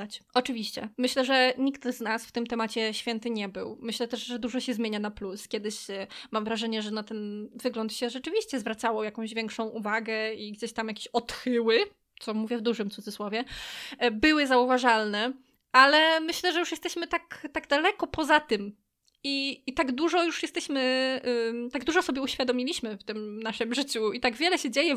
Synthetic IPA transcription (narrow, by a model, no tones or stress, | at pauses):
at͡ɕɔt͡ʂɘvʲiɕt͡ɕɛ̰mɘɕlɛʐɛɲikt̪znasft̪ɘmt̪ɛmat͡ɕɛɕfʲjɛnt̪ɘɲɛbɘwmɘɕlɛt̪ɛʂʐɛd̪uʐɔɕɛzmʲeɲanapluskʲɛd̪ɘɕmamvɾaʐɛɲɛʐɛnat̪ɛnvɘɡlɔnt̪ɕɛʐɛt͡ʂɘvʲiɕt͡ɕɛzvɾat̪sawɔjakɔ̃w̃ʑvʲjɛ̃ŋkʂɔ̃w̃ʔuvaɡɛiɡd͡ʑeɕt̪amjakʲe̥ɕɔt̪xɘwɘ | t̪sɔmuvʲjɛvd̪uʐɘmt̪ud̪zɘswɔvʲjɛ | bɘwɘzauvaʐalnɛ | ʔalɛmɘɕlɛʐɛjuʂjɛst̪ɛɕmɘt̪akt̪aɡd̪alɛkɔpɔzat̪ɘm | iːt̪aɡd̪uʐɔjuʂjɛst̪ɛɕmɘ | t̪aɡd̪uʐɔsɔbʲjɛuɕfʲjad̪ɔmʲilʲiɕmɘft̪ɘmnaʂɨmʐɘt͡ɕuit̪aɡvʲjɛlɛɕɛd͡ʑejɛ